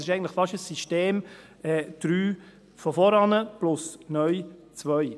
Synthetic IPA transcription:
sɪʃɛɪən̩tlɪ̥fɑʃəsːiʃteːm | ɛːd̥ɾyː | fɔfɔɾɑnəplʊsnœʏt͡svœʏ

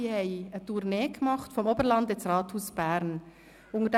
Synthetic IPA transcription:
ihɛɪətuʁneːɡmɑχtfɔmoːbəlɑndɛt͡srɑːthuːsb̥æɾn | ʔʊŋəd

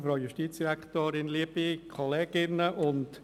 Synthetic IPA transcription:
fɾɔʊjʊʃtiːt͡sd̥iɾakt̪oːɾɪnliəb̥ikʰɔlɛːɡ̥ɪnːəʔʊnt

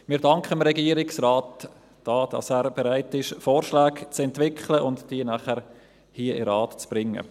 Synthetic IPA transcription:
mɪːɾdɑŋkχəmɾɛɡiːəɾɪksɾaːt | d̥ɑːd̥ɑ̰sæːɾb̥eɾaɪtɪʃfoːɾʃlæːkt͡sɛntvɪkχləʔʊntd̥iːənæχæɾ | hiəʔɪ̰ɾɑːtt͡sb̥ɾɪŋːə̰

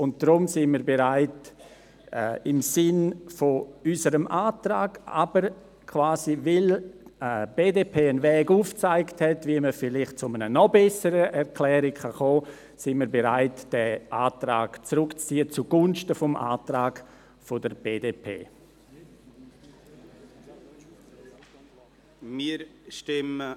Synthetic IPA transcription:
ʊnt̚d̥ɾʊmsɪnmiːɾbeɾaɪt | ɛɪmsɪnfoysəɾəmʔaːtɾaːɡ̥a̰b̥əɾ | kʰv̥aːzivɪləb̥eːdeːpʰeːənvɛːɡuːft͡saɪkthɛtviəməfɪlɪχt̚t͡sʊmənənɔbɛsəɾəʔɛɾklɛːɾɪkχaχoː | sɪnmiːɾbeɾaɪtd̥ɛʔaːtɾa̰ːɡ̥t͡sɾʊkt͡st͡siːət͡suɡ̥ʊnʃtəfɔmʔa̰ːtɾaːɡ | fodəɾb̥eːdeːpʰḛː | miɾʃtɪmə

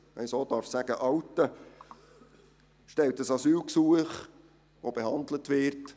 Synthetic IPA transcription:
ʔɛɪsoːd̥ɑːɾfsæɡ̥əʔɑwtə | ʃtɛltəsɑsyːlksuəχ | ʋobeɦɑnd̪lətʋɪrt

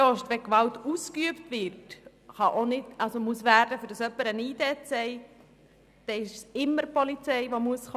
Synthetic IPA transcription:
oʃtʋɛkʋɑltuskyəptʋɪɾt | χɑʔonɪdɑlsomuəsʋæːɾdəfʏɾd̥ɑsœpːəɾəniːdɛːtsɛɪ | d̪̥ɛɪʃsɪmːəɾpɔlit͡sɛɪʋomuəsχ

